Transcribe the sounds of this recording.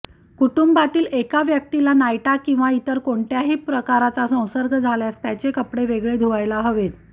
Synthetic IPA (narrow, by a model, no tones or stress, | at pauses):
kuʈumbat̪iːlekaʋjək̚t̪ilanajʈakĩw̃ʋait̪əɾkoɳʈjaɦiːpɾəkaɾat͡sasə̃w̃səɾɡʱəd͡zʱaljast̪jat͡ɕekəpɽeʋeɡɭed̪ʱuʋajlaɦəʋet̪